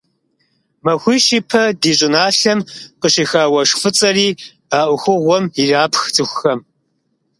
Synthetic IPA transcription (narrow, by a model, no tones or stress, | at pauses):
mɐxʷiːʃiːpʰɐdiːɕʼɪnaːɬɐmqəɕiːxaːwɐʂfɨt͡sʼɐriː | aːʔʷʊxʷʊʁʷɔmiraːpʰxt͡sʼɨxʷxɐm